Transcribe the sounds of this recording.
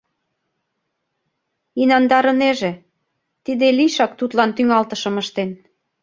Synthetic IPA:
inɑnd̪ɑɾɤ̆neʒĕ | t̪id̪eliʃɑk̚t̪ut̪lɑnt̪yŋɑlt̪ɤ̆ʃɤ̆məʃt̪en

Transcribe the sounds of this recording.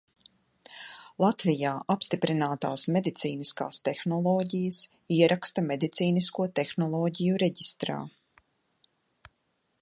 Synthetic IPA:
lˠat̪vijaːʔapst̪ipɾinaːt̪aːsmed̪it̪siːniska̰ːst̪ɛxnɔlˠɔːɟijəs | iɛɾakst̪ɐmed̪it̪siːniskuɔt̪exnɔlˠɔːɟijuɾɛɟist̪ɾa̰ː

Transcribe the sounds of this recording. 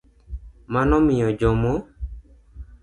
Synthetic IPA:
manɔmɪjɔd͡ʒɔmo

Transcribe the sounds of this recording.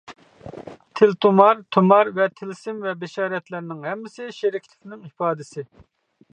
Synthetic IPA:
t̪ʰɪlt̪ʰumɑɾt̪ʰumɑɾvɛt̪ʰɪlsɪmvɛbɪʃɑːɾɛt̪lɪɾnɪŋɦɛmːɪsɪʃeɾɪkʲʰlɪkʲnɪŋipɑːd̪ɪsɪ

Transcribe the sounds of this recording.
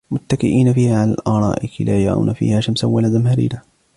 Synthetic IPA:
mʊt̪ːakɪʔiːnafiːhaːʕalaːlʔɑːɾˤɑ̰ːʔɪkɪlaːjaʕa̰ːnafḭːhaːʃamsawːalazamhaɾḭːna

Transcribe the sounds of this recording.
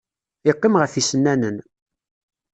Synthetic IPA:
ɪqːimʁəfisənːænən

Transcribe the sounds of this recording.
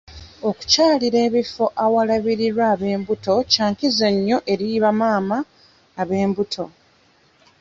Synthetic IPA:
o̞ku̥caːliɾe̞ːβifo̞ʔawalaβiɾiɾwaːβe̞ːmbuto̞caːŋkizeɲːo̞ʔe̞ɾiβamaːmaː | βe̞ːmbutʰo̞

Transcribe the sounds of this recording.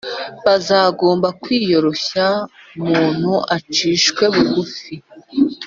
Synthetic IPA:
βazaːɡo̞ːmbakwiːjo̞ɾo̞ça | umuːn̥huʔat͡ʃiːʃkwe̞βuɡufi

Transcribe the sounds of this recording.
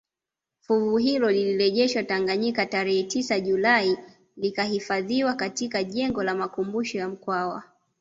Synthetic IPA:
fuvuɦilɔliliɾɛʄɛʃwataŋɡaɲikataɾɛhɛtisaʄulai | likahifaðiwakatikaʄɛŋɡɔlamakumbuʃɔjam̩kwawa

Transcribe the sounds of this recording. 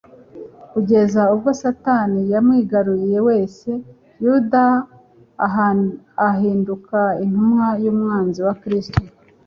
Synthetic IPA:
kuɟe̞zaub̚ɡo̞satanijamŋiːɡaɾuɾije̞we̞ːse̞ | juda | ɦiːndukain̥humŋajuːmŋaːnziwakɾisto

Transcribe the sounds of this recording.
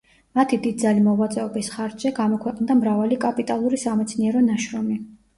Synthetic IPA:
mat̪ʰid̪id̪d̪zalimɔvat̪sʼɛɔbisχaɾd͡ʒɛɡamɔkʰwɛqʼnd̪amɾavalikʼapʼit̪ʼalˠuɾisamɛt̪sʰniɛɾɔnaʃɾɔmi

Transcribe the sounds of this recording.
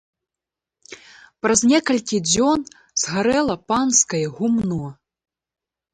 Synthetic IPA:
pɾɐzʲnʲɛkɐlʲkʲid͡zʲɔn | z̥ɣaɾɛlˠɐpanskɐjɛɣumnɔ

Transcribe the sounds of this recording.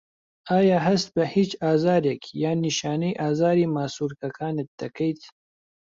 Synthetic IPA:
ɑːjɑːɦɐst̪̚bɐhit͡ʃaːzɑːɾekʰjaːniʃɑːnəjʔaːzɑːɾimaːsuɾkɐkʰɑːnet̪̚t̪ɐkəjt̪ʰ

